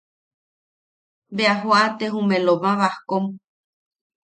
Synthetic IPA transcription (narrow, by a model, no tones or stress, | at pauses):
beaɦoat̪eɦũmẽlomãβahkom